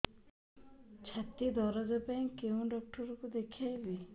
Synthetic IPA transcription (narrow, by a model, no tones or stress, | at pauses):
t͡ʃʰat̪id̪ɔɾɔd͡ʒapaj̃kewũɖɔk̚ʈɔɾɔkud̪ekʰiajbi